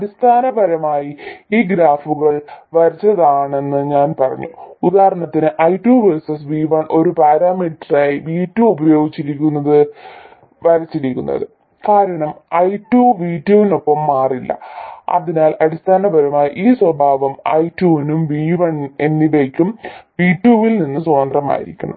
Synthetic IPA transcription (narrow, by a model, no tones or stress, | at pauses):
ɐɽist̪ʰaːnɐbɐɾɐmaːjiiːɡɾaːfuɣɐɭʋɐɾɐt͡ɕːɐðaːɳe̞nːɨɲaːnpɐrɐ̰ɲːuud̪aːhɐɾɐɳɐt̪ːinɨʔɐjtːjuːʋesɐsʋiːʋɐɳʔo̞ɾupaːɾaːmiʈːraːjiʋiːtːjuubɐjo̞ːɡit͡ɕːiɾikʲːunːɐðɨ | ʋɐɾɐt͡ɕːiɾikʲːunːɐ̰ðɨ | kaːɾɐɳɐmɐjtjuːʋiːtːjuʋino̞pːɐmːaːrilːɐ̰ɐ̰ðinaːlɐɽist̪ʰaːnɐbɐɾumaːjʔiːswɐbʱaːʋɐmɐ̰jtːjuːʋinumʋiːʋɐɳe̞nːiʋekʲːumʋiːʈjuːʋilninːɨso̞ːnd̪rɐma̰ːjḭɾḭkʲːuɳɐ̰